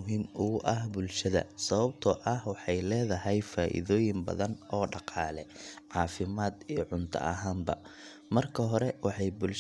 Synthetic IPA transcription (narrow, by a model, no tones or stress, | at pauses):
ɦiːmʊɣʊʔɐhbʊlʃɐðɐ̰sɐβɐb̚t̪ʰɔʔɐhwɑħɑjlɛːðɐɦɛjfaːʔɪ̰ðɔːjɪmbɐ̰ðɐnɔːɖɑqɑːlɛʕɑːfɪmaːd̪ijɞʕʊnt̪ʰɐ̰ʔɐ̰ɦaːmbɐ̰ | mɐrkʰɐɦɔɾɛwɑħɑjbʊlʃ